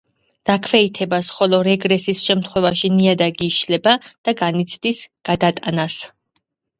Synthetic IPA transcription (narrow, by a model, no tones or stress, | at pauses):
d̪̥akʰvɛit̪ʰɛbasχɔlɔɾɛɡɾɛsisʃɛmt̪ʰχwɛvaʃiniad̪aɡiːʃlɛbad̪̥aɡanit̪sʰd̪isɡ̥ad̪at̪ʼanas